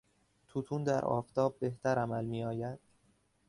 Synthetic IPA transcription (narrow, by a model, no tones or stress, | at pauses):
t̪ʰut̪ʰuːnd̪æɾʔɒ̰ːft̪ʰɒːb̚ːe̞ht̪ʰæɾæmælmiːɒːjæd̪̥